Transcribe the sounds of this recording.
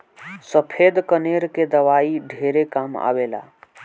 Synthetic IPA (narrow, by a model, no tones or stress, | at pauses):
səpʰed̪kəneɾked̪əwaiɖʱeɾekama̰bela̰